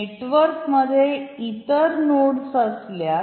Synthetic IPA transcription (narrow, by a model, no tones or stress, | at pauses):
eʈʋəɾkməd̪ʱːjeit̪əɾnoɽsəslja